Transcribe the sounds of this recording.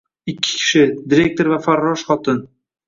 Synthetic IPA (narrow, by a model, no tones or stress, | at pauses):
ɪkʲʰːɪ̥kʲʰɪ̥ʃɪd̪ɪɾʲe̞k̚t̪oɾvafaɾːɒʃχɒt̪ʰɪn